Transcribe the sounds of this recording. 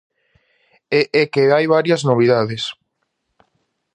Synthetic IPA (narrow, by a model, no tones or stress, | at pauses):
eʔɛkeajβaɾjɐznoβ̞iðaðɪs